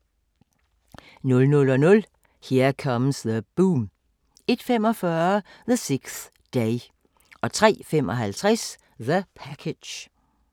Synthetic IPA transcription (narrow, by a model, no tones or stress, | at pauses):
nɔ̽lnɔlɒ̽nɔ̽l | heɐ̰kʰɒməsðəb̥uːm | e̝d̥femɒ̽fɶɐɐðəseɡ̥θ | d̥eɪ | ɒ̽t͡sʰʁɛ̰ːfem̰ʔɒɦælt͡sʰʁɛs | ðəpʰækʰed̥